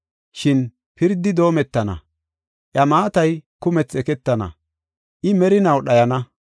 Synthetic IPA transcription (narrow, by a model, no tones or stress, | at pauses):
ʃɪn | pɪɾd̪ːɪd̪o̞ːmɛt̪ːɐnɐ̰ | ʔjɐmaːt̪ɐjkʊmɛt͡sɛkɛt̪ːɐnɐ̰ | ʔɪmɛɾɪnɐwɗɐjɐnɐ